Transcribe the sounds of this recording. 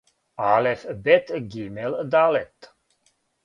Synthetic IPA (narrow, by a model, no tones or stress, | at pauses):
alefbet̪ɡʲimeld̪alet̪